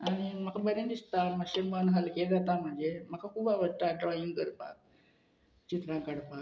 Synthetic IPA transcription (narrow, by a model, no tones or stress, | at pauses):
aɽ̃iməkʰabəɾẽnd̪ist̪aməɕemanɦəlked͡zat̪am̤əɳd͡zemakʰakʰuːbaʋəʈaɖɾɔiŋɡkəɾpa̰ | t͡ɕit̪ɾãkəɽpa